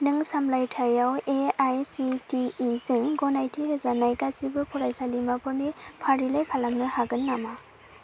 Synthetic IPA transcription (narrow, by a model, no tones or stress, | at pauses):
nɯŋsamlajtʰajaweajsitiːzɯŋɡɔnajtʰiɦezanajkasibɯpʰuɾajsalimabɯmipʰaɾilajpʰalamnɯhaɡɯnːama